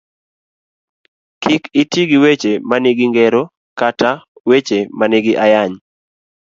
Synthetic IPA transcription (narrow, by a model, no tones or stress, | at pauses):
kikɪtiɡiwet͡ʃemanɪɡɪŋɡɛɾo | katawet͡ʃemanɪɡɪʔajaɲ